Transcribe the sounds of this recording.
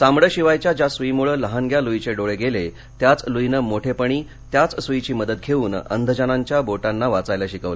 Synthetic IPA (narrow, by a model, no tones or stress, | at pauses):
samɽəɕiʋajt͡ɕjad͡ʑasʋimuɭələɦanɡʱjaluit͡ɕeɖoɭeɡele | t̪jat͡sluinəmoʈʰepəɳiː | t̪jat͡ssit͡ɕiːməd̪ət̪̚kʰeʋuːnə̰nd̪ʱəd͡ʑanaɲt͡ɕjaboʈanːaʋat͡sajlaɕikəʋlə